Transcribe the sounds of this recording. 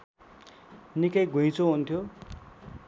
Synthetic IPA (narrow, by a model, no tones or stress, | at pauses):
nikʌjɡʱuj̃t͡sʰoɦunt̪ʰjo